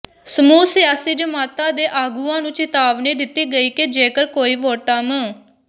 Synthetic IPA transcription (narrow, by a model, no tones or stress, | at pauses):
səmuːsɪjaːsiːd͡ʒəmaːt̪ãːd̪eːʔaːɡuːãːnũːt͡ʃɪt̪aːʋniːd̪ɪt̪iːɡəiːked͡ʒeːkəɾkoːiːʋoːʈamə